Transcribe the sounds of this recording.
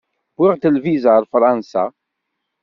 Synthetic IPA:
bɪʁt̪əlvizaɾˤfɾˤɑnsa̰

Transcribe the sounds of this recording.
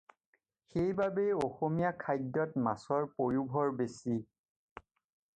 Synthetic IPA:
xejbabejɔxomijakʰajdːɔtmasɔɹpojubʱɔɹbesi

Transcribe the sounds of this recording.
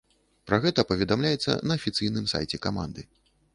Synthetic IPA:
pɾaɣɛt̪ɐpɐvʲɛd̪amlʲajɛt̪sːɐ̰nɐːfʲit̪sɨjnɨmsa̰jt͡sʲɛkama̰nd̪ɨ

